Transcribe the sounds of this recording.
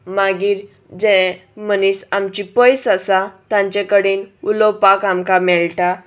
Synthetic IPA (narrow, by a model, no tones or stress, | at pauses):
maɡiːɾ | d͡zɛ̃mənisamt͡ɕipəjsasat̪ãɲt͡ɕekəɽinulɔpakamkamɛɭʈa